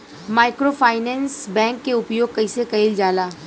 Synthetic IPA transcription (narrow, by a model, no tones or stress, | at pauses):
maːɪkɾoːfaːɪnɛ̃ːnsbɛ̃ːŋkːeʊpjoːɡ̚kɐisekɐɪld͡ʒaːlaː